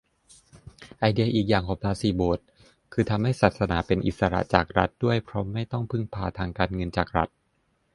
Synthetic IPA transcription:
ʔa˧jdi˧ɐʔiː˨˩k̚jaː˨˩ŋkʰɔː˨˩˦ŋpʰlaː˧˥siː˧˩boː˨˩t̪̚ | kʰɯː˧t̪ʰa˧mha˥˩jsaː˨˩t̪̚sa˧naː˩˦pe˧nʔi˨t̪̚sa˧ɾa̰˨˩t͡ɕa̰ː˨˩k̚ɾa˦˥t̪̚du˥˩əjpʰɾɔ˦˥ma˥˩jt̪ɔ˥˩ŋpʰɯ˥˩ŋpʰaː˧t̪ʰaː˧ŋkaː˧nŋɤ˧nt͡ɕaː˨˩k̚ɾa˦˥t̪̚

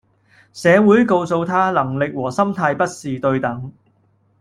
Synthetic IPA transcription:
sɛː˨˧wuː˨˥jko˧wso˧wt̪ʰaː˥lɐ˨˩ŋlɪ˨k̚wɔː˨˩sɐ˥mt̪ʰaː˧jpɐ˥t̚siː˨t̪ɵ˧ɥt̪ɐ˨˥ŋ

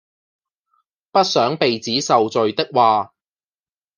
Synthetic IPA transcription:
pɐ˥t̚sœː˨˥ŋpe˨jt͡siː˨˥sɐ˨wt͡sɵ˨ɥt̪ɪ˥k̚waː˨

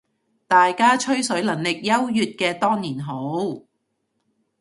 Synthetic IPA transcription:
t̪aː˨jkaː˥t͡ʃʰɵ˥ɥsɵ˨˥ɥlɐ˨˩ŋlɪ˨k̚jɐ˥wjyː˨t̚kɛː˧t̪ɔː˥ŋniː˨˩nɦo˨˥w

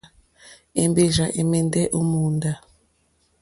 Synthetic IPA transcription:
e˨mbe˦ʒa˨ʔe˨mɛ˦ndɛ˦ʔo˦mu˨nda˨

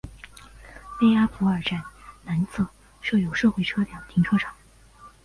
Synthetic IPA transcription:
pe˥ɪa˥fu˧˥ə˞˨˩ʈ͡ʂa˥˩nna˧˥nsʰɤ˥˩ | ʂo˥˩jo˨˩ʊʂɤ˥˧xwe˥˩ʈ͡ʂʰɤ˥ljɑ˨˩ŋt̪ʰi˧˥ŋʈ͡ʂʰɤ˥ʈ͡ʂʰɑ˨˩˦ŋ

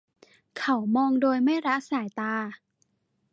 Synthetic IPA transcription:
kʰa˦˩wmɔː˧ŋdoː˧jma˥˩jɾa˦˥ʔsaː˨˩˦jt̪aː˧

